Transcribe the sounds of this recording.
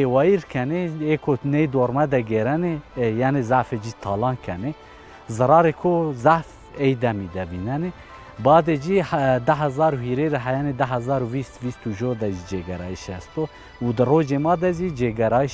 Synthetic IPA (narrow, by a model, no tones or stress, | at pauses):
ewɑːjiɾkʰɛneeːkʰonejd̪oɾmɛd̪ɛɡeɾɛnejaːnezaʕfed͡ʒit̪ʰɑːlɑːnkʰɛne | zɨɾɑːɾekʰozaʕf | ejd̪ɛmid̪ɛvinɛne | bɑːd̪ed͡ʒid̪æɦɛzɑːɾuɦiːɾeɾaɦɛjɑned̪æɦæzɑːɾuvist̪viːst̪uʒod̪ɛʒid͡ʒeɡɛɾɑ̰ːiʃɛst̪o | ud̪ɨroːd͡ʒemɑːd̪ɛʒid͡ʒeɡɛɾɑːi